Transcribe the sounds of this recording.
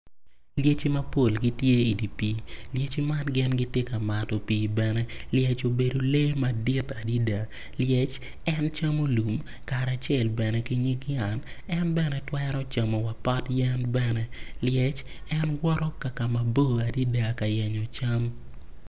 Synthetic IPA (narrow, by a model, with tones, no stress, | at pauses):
lje˦t͡ʃi˦mɐ˦po˦˨lɡi˦tje˦i˨di˨pi˨lje˦t͡ʃi˦ma˦nɡɪ˦nɡɪ˦te˦ka˨ma˨tɔ˨pi˨bɛ˨nɛ˦ljɛ˦t͡ʃo˨be˨do˨le˦ma˨di˦ta˨di˦da˨ | ljɛ˦t͡ʃ | ɛ˦nt͡ʃa˦mo˦lu˨m | ka˨ɾa˨t͡ʃjɛ˦˨lbɛ˨nɛ˨kɪ˦ɲi˦ki˦a˨nɛ˦nbɛ˦nɛ˦twɛ˦ɾɔ˦t͡ʃa˨mo˨wa˨pa˦tjɛ˦nbɛ˦nɛ˦ljɛ˦t͡ʃ | ɛ˦nwɔ˦ɾɔ˦ka˨ka˨ma˨bo˦a˨di˦da˨ka˨jɛ˨ɲɔ˨t͡ʃa˦m